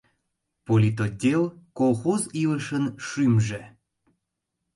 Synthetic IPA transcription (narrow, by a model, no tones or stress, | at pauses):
polʲit̪̬odʲelkolˠxoziləʃənʃymʒe